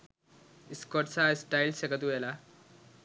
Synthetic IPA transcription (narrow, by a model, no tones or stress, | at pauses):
iskɔʈsaisʈajlsekɐt̪uela